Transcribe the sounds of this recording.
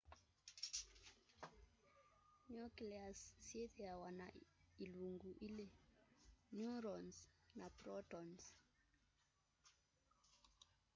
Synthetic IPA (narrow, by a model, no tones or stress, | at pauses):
nukliasːieθiawana̰iluŋɡuʔile | njuɾɔnsnapɾɔtɔns